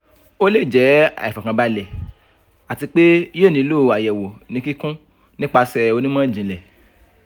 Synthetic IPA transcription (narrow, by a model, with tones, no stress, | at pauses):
o˦le˦˨d͡ʒɛ˨˦a̰˨i˨fɔ˨kã˧ba˧lɛ˨ | a˨ti˧k͡pe˦jo˦˨nĩ˧˦lo˦˨a˨jɛ˨wo˨nĩ˨˦ki˦kũ˦ | nĩ˦k͡pa˧sɛ˧o˧nĩ˦mã˦˨d͡ʒĩ˨lɛ˨